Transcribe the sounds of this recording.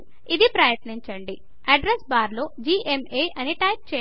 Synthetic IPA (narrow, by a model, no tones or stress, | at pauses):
id̪ipɾɐjɐʈniɲt͡ʃɐɳɖi | ɐɖɾesbaːɾlo̞ːd͡ʒiːʔemeːʔɐniʈɐjp̚t͡ʃɛ